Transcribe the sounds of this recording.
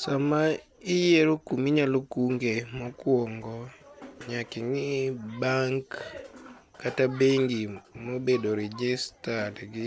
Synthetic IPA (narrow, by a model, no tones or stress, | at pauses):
sama | ɪjeɾokumiɲalokuŋɡemɔkwɔŋɡɔɲakɪŋɪbaŋkː | atabeŋɡimobedoɾɛd͡ʒɪstadɡɪ